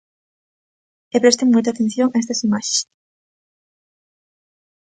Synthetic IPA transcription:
epɾest̪eŋmujt̪at̪en̟θjoŋaest̪ɐsimaʃe̥s

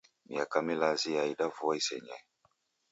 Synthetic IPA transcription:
miakamilaziaidavuaisɛ̰ɲa̰i

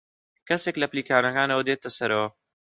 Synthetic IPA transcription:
kʰɐseːklɐpliːkʰaːnɐkaːnɐwɐd̪eːt̪ɐsɐɾʔɐwɐ

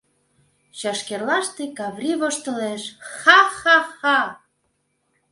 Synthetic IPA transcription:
ɕɑʃkerlɑʃt̪ekɑβrʲiβoʃt̪ə̆leʃxɑxɑxɑ

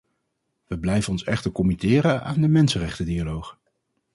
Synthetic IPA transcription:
ʋəblɛjvənɔnsɛχtəɹkɔmitɪːɾəa̰ːndəmɛnsənrɛχtədialowχ

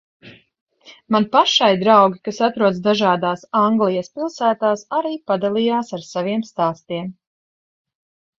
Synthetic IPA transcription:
manpaʃajd̪ɾawɡʲikasat̪ɾuɔt̪sd̪aʒaːd̪aːsaŋɡlˠijaspilˠsæːt̪aːsaɾiːpad̪alˠijaːsaɾsaviɛmst̪aːst̪iɛm

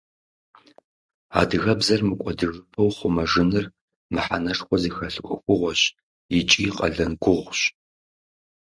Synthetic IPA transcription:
a̰ːdɨɣɐbzɐrmɨkʷʼɔdɨʐɨpʰɐwχʷʊmɐʐɨnɨr | mɨħanɐʂxʷɔzixɐɬɨkʷʼʊ̰xʷʊʁʷɔɕ | jɪt͡ʃʼiːqʼɐ̰ɮɐnɡʷʊʁʷɕ

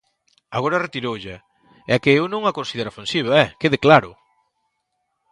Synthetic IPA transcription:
aɣoɾaret̪iɾowʎa | ɛkeewnõŋakonsiðeɾafensiβ̞aɛkeðeklaɾʊ

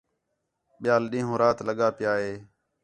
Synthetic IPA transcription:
ɓɪjaːlɗĩːɦũːɾaːt̪ləɠaːpɪjaːɦeː

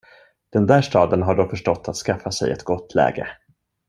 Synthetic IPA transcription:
d̪̥ɛnd̪æːʂtɑːd̪ənɦaɖɔfœʂʈɔt̪ʰːat̪skafːasɛ̰jɛ̰t̪ɡɔt̪ʰːlɛ̰ːɡə̰

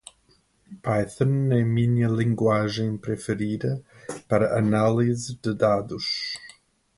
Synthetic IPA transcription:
pajθɐnɛmĩɲɐlĩŋɡwaʒẽj̃pɾefɪɾid̪ɐpaɾɐʔɐnalizɪd̪ɨd̪ad̪us

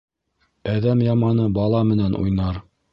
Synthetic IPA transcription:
æðæmjɑmɑnɤbɑlˠɑmɘ̆nænʔṵjnɑɾ

